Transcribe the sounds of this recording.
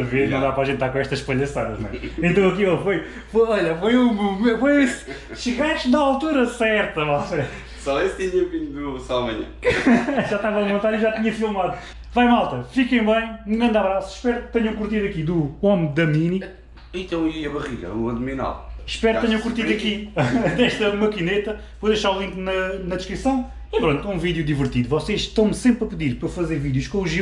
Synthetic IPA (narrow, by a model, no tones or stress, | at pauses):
ɐveɾnɐ̃w̃d̪apɾaʒẽnt̪ːaɾkõɛʃt̪ɐʃpɐʎɐsaðɐ̰ʒnw̃ɛẽnt̪ɐ̃w̃ɐkielˠfoj | fojɔʎɐfojumumefojisʃɨɣaʃnɐalˠt̪uɾɐsɛɾt̪ɐmalˠt̪ɐ | sɔest̪iɲɐpkiɲd̪usaɐmɐɲɐ̰̃ | ʒaʃt̪avɐlˠmõnt̪aɾiʒat̪iɲɐfilˠmaðu | vajmalˠt̪ɐfikɐ̃j̃bɐ̃j̃mɡɐ̃nd̪aβɾasu̥ʃpɛɾk̚t̪ɛɲɐ̃w̃kuɾt̪iðɐkid̪uomd̪ɐmini | ĩt̪ɐ̃w̃iiɐβɐʁilɐ̰uɐ̃d̪mina̰lˠʃpɛɾkt̪ɛɲɐ̃w̃kuɾt̪iðɐkid̪ɛʃt̪ɐmɐkinet̪ɐ | pojðɐʃaɾulˠĩŋknɐnɐd̪ɨʃkɾisɐ̃w̃ | ipɾõnt̪ũviðjud̪ivɨɾt̪iðuvɔseʃt̪ɐ̃w̃msẽmpɾɐpɨðiɾpɾɐfɐzeɾviðjuʃkõuʒi